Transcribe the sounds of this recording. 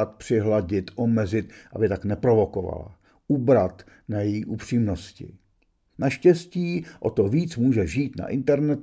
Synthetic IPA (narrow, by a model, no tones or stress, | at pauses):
at̪̚pr̝̥ɪɦlaɟɪt̪ʔomɛzɪt̪ʔabɪt̪aknɛpɾo̞vo̞ko̞va̰la̰ | ʔubɾat̪ | najɛjiːʔupr̝̥iːmno̞scɪ̰ | naʃcɛsciːʔot̪o̞viːt͡smuːʒɛʒiːt̪na̰ʔɪnt̪ɛɾnɛt̪